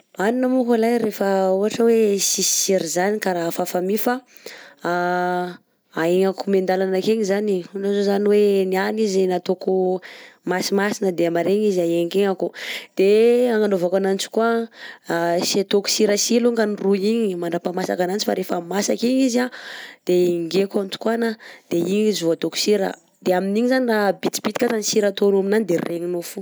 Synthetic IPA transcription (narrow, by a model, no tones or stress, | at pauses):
aninamukalajɾefəuɦaʈ͡ʂəwesisi̥siɾizanikaɾafafamifa | aeŋakumend̪alanakeɲizaninozozaniwenianizenat̪okumasimasinəd̪eamaɾeɲiziaeɲkeŋakud̪̥eaŋanovakananit͡ʃi̥kua | sat̪oku̥siɾəsiluŋkaniruiɲimaɳɖ͡ʐapamasakanant͡ʃifa̰ɾefamasakiɲizad̪̥eiŋɡekant̪u̥kuanad̪̥eiɲizvuat̪oku̥siɾə̰ | d̪̥eaminiɲizanirabit͡s̪i̥bit̪i̥kat̪anisiɾat̪onuminanid̪erreɲinofu